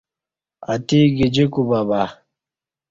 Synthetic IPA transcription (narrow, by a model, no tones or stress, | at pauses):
ɐt̪iɡid͡ʑikubaba